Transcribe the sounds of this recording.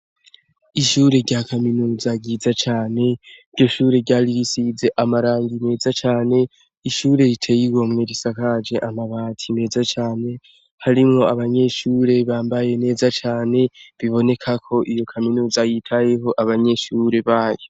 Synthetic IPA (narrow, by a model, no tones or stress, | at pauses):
iʃuːɾe̞ɾɟakaminuːzaɟizat͡ʃaːne̞iɾɟo̞ʃuːɾe̞ɾɟaːɾiɾisize̞ʔamaɾaːŋɡime̞ːzat͡ʃaːne̞ | iʃuːɾe̞ɾitʰe̞jiɡomŋe̞ɾisakad͡ʒe̞ʔamaβaːtʰime̞ːzat͡ʃaːne̞ | haɾimŋo̞aβaɲe̞ʃuːɾe̞βaːmbaje̞ne̞ːzat͡ʃaːne̞βiβo̞ne̞kʰakʰo̞ʔijo̞kʰaminuːzajitʰaje̞ɦo̞ʔaβaɲe̞ʃuɾe̞βaːjo